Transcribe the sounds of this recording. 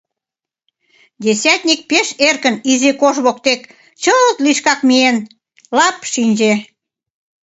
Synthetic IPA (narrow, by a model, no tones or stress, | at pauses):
d̪ʲesʲæt̪ʲnʲik̚peʃerkə̆nizekoʒβokt̪ek | t͡ɕəlt̪liʃkɑkmien | lɑpʃinʲd͡ʑe